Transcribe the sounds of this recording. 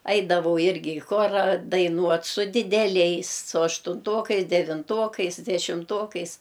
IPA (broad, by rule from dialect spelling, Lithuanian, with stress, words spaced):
ˈɐɪdɐʋɐʊ ˈɪrʲɡʲɪ ɪ ˈxoːrɐ dɐɪˈnuɔt sʊ dʲɪdʲɛˈlʲɛɪs sʊ ɐʃtʊnˈtoːkɐɪs dʲɛʋʲɪnˈtoːkɐɪs dʲɛʃʲɪmˈtoːkɐɪs